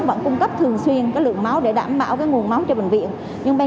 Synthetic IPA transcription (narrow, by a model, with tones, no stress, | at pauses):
və̰˧˥nkʊ˧ŋ͡mkə˦˥p̚t̪ʰɨ˨˩əŋswi˧ənkaː˨˦jlɨ̰˧˨əŋma˨˦wɗe˧˩ɗa̰ː˧˩mɓa̰ː˧˩wkaː˨˦jŋu˨˩ənma˨˦wt͡ɕɔ˧ɓï˨˩ŋ̟vḭ˧˨ən | ɲɨ˧ŋɓa˧